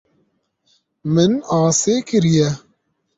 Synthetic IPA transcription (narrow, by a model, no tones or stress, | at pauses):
mɪnaːseːkɪɾijɛ